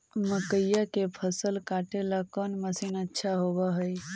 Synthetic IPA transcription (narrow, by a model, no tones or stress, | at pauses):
məkəjakepʰəsəlkaʈelakənməsinətːʃʰaɦobəɦəj